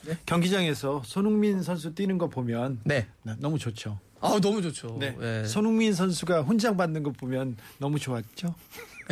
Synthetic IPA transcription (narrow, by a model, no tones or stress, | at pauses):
kjʌŋɡid͡ʑaŋe̞sʰʌsʰonuŋminsʰʌns̬ʰut͈inɯnɡʌt̚p͈omjʌnnenʌmut͡ɕot͡ɕʰo | anʌmud͡ʑot͡ɕʰone̞esʰonuŋmins̬ʰʌnsʰuɡaɸund͡ʑaŋbanːɯnɡʌt̚p͈omjʌnːʌmut͡ɕoat̚t͡ɕ͈o